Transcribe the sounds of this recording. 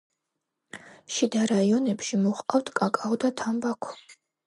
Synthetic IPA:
ʃid̪aɾaiɔnɛpʃimɔχqʼawt̪ʰkʼakʼaɔd̪at̪ʰambakʷʰɔ

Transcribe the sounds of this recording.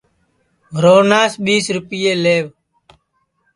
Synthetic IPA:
ɾoːnaːsɓiːsɾʊpɪjeːleːʋ

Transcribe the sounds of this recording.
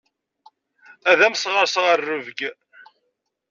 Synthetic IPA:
æðæmsʁəɾsʁərːʊvəɡ

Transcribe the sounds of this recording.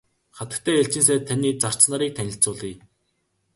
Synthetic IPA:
χat̪ə̆kt̪ʰæːeɬt͡ɕĭns̬æːt̪ʰaniːt͡sar̥t͡ɕsnaːɾiːk̚t̪ʰænʲɪ̆ɬt͡sʊːɮiː

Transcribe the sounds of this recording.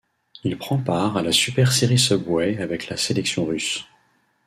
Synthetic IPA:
ilpχɑ̃paʁalasypɛʁseʁisəbwɛavɛklaselɛksjɔ̃ʁys

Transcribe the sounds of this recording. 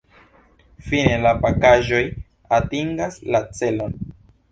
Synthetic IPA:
fine̞lapakaʒo̞j | atiŋɡaslat͡se̞lo̞n

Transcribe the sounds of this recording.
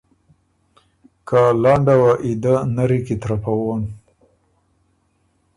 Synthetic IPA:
kalɑɳɖawaʔid̪anaɾikit̪ɾapawon

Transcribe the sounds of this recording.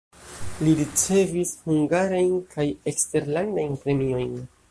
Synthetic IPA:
liɾit͡se̞vishuŋɡaɾajnkʰaje̞kste̞ɾlandajnpɾe̞mio̞jn

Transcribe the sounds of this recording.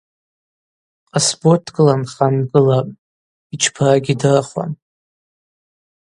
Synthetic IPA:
qʼasbortʰɡʼɨlanχamɡɨlapʼ | it͡ʃʰpʰaɡʲidarχʷa̰n

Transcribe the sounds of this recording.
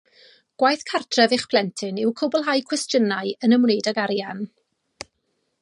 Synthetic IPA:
ɡ̥wajθkʰartʰrɛvɪχpʰlˠɛntʰɪnɪwkʰʊbɔlˠɦajkʰwɛstjənaɨənəmwnejdaɡaɾjan

